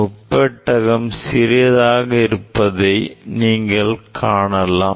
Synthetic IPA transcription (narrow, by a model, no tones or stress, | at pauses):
ʊpːɐʈːɐɣɐmsɪɾɪjɐðaːɣɐɪɾɯpːɐðɐɪniːŋɡɐɭkʰaːɳɐlːaː